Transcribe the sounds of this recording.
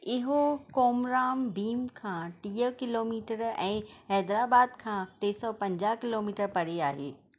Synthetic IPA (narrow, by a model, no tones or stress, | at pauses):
ɪɦokoːmɾaːmbiːmkʰãːʈiːəkɪloːmiːʈəɾɛ̃ːɦɛːd̪ɾaːbaːd̪kʰãːt̪eːsɔpɐ̃ɲd͡ʑaːɦkɪloːmiːʈəɾpɐɽeaːɦeː